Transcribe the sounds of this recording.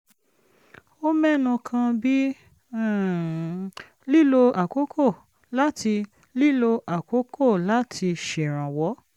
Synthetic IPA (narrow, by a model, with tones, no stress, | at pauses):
o˦mɛ˦˨nũ˧kʰã˧bi˦˨ | li˦lo˧a˨ko˨˦kʰo˦˨ | la˦tʰi˧ | li˦lo˧ʔa˨ko˨˦kʰo˦˨la˦tʰi˧ʃe˨ɾ̃ã˨wɔ˨˦